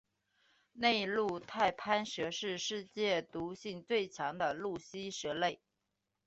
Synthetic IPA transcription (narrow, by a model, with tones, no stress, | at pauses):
ne˥˧ɪlu˥˧t̪ʰa˥˩ɪpʰa˥nʂɤ˧˥ʂɻ̩˥˧ʂɻ̩˥˧t͡ɕjɛ˥˩t̪u˧˥ɕi˥˧ŋt͡swe˥˩ɪt͡ɕʰjɑ˧˥ŋd̪ə˧lu˥˩ɕi˥ʂɤ˧˥le˥˩ɪ